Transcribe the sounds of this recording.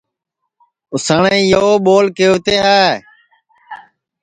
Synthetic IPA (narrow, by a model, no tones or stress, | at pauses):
ʊsaːɳẽjoːɓoːlkeːʊt̪eːɦaːe